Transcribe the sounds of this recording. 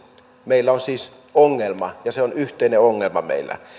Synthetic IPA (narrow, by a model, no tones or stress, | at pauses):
meilːæonsiːs | oŋːelmɑjɑseonyht̪ˑeineoŋːelmɑmḛilˑːæ̰